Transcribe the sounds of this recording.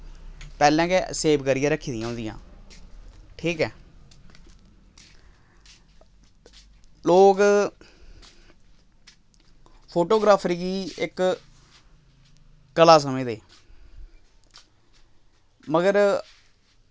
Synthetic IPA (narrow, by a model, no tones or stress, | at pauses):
pɛːlɛ̃ːkeseːpʰkəɾɪjãːɾəkʰːiːd̪ɪ̃jãːʊ̃ːnd̪ɪjã̰ː | ʈʰiːkɛː | loːk | pʰoːʈoːɡɾaːpʰɾiːɡiːɪk | kəlaːs̬əmẽːd̪eː | məɡəɾ